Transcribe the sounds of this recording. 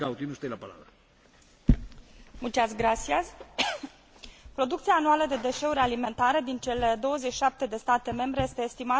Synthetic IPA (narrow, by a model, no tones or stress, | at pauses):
awt̪inust̪ajlapala̰βɾə | mult͡ʃasɡɾasiaz | pɾo̞d̪ukt̪siaːnualəd̪e̞d̪e̞ʃe̞uɾʲalime̞nt̪aɾed̪int͡ʃe̞le̞d̪o̞wəzet͡ʃːi̥ʃap̚t̪e̞d̪e̞st̪at̪e̞me̞mbɾe̞je̞st̪e̞ːst̪ima